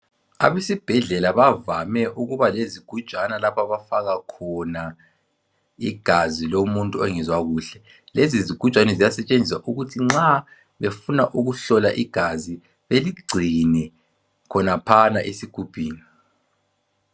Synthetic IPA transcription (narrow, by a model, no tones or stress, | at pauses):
a̰βesib̥ʱɛɮɛlaβavamɛʔuɣuβaleziɡ̥ʱu̥t͡ʃʼanalapʰaβafaɣakʰɔna | iɡ̥ʱazilomuntʼuɛŋɛzwaɣuːɬɛ | leziziɡ̥ʱut͡ʃʼwanɛzijasɛt͡ʃʼend͡zʱisaʔuɣutʰiŋ͡ǁa | βefunaʔuɣuɬɔlaʔiɡ̥ʱazi | βeliɡ͡ǀʱinɛ | kʰɔnapʰanaʔesiɡ̥ʱub̥ʱiːni